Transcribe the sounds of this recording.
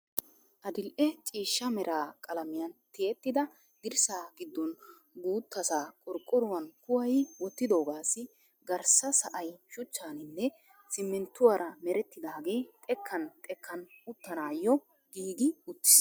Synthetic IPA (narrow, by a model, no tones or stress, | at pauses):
ʔɐd̪ɪlʔɛt͡ʃʼiːʃːɐmɛɾʔaːkʼɐlɐmɪjɐnt̪ɪjɛt̪ːɪd̪ɐ | ɡ̪̥ɪɾsaːɡɪd̪ːɔn | ɡuːt̪ːɐsaːkʼɔɾkʼːʊɾʊwɐnkʊwɐjwɔt̪ːɪd̪o̞ːɡaːsɪ | ɡɐɾsɐsɐʔɐjʃʊt͡ʃːaːnɪnːɛ | sɪmːɛnt̪ːʊwaːɾʔɐmɛɾɛt̪ːɪd̪aːɡe̞ːt̪ʼɛkʰːɐnt̪ʼɛkʰːɐnʊt̪ːɐnaːjːɔ | ɡ̥iːɡɪʊt̪ːɪ̥s